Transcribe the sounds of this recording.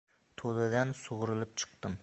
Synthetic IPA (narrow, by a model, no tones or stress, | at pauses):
t̪ʰolɪd̪ansʊʁʊɾɨlˠɪp̚t͡ʃʰɨ̥q̚t̪ɨm